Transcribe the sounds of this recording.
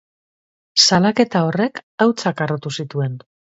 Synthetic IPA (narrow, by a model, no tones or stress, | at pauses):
salake̞t̪ao̞re̞kawt͡sakarot̪usit̪ue̞n